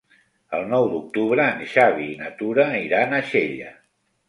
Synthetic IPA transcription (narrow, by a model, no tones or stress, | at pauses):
əlˠnɔwd̪uk̚t̪uβɾəːnʃaβiːnət̪uɾəiɾanəʃeʎə